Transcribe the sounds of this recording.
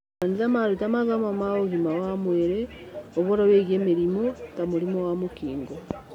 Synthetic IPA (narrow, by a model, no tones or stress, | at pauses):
anizamaɾutamaðamamaoɣimawamweɾeoβoɾaβeɣjemeɾimotamuɾimowamukḭːŋɡo